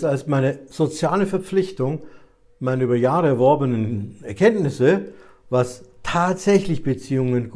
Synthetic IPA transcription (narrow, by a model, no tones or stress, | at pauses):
talsmaɪnəz̥ot͡sjaːləfɛɐp͡flɪçtʊŋ | maɪnɐyːbɐjaːʁəɛɐvɔɐbənənɛɐkʰɛntnɪsə | vastʰaːtz̥ɛçlɪçb̥ət͡siːʊŋənɡ